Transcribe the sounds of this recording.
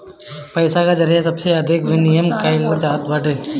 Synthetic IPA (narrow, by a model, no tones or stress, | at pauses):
pəɪsakad͡ʒəɾijasɐbseɐd̪ʱɪkʋɪnijəmkaːɪlʋəd͡ʒaːt̪ʋaʈe